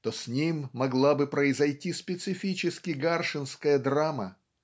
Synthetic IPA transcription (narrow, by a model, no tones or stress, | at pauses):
t̪osʲnʲimʲːɐɡlˠabɨpɾəɪzɐjtʲispʲɪt̪sɨfʲit͡ɕɪskʲɪɡarʂɨnskəjəd̪ɾamə